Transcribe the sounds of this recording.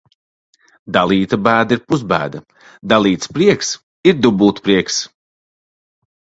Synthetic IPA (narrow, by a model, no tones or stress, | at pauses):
d̪alˠiːt̪ɐbæːd̪aiɾpusbæ̰ːd̪ɐ | d̪alˠiːt̪spɾiɛks | iɾd̪ubuːt̪pɾiɛks